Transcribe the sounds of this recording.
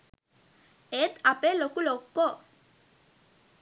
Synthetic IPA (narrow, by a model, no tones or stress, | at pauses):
et̪apɛlokulokːɔ